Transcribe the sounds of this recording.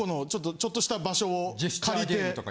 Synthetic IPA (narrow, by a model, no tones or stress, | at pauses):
ono̞t͡ɕo̞t̪ːo̞t͡ɕo̞t̪ːo̞ɕi̥t̪abaɕo̞ːikaɾʲit̪e̞t̪ok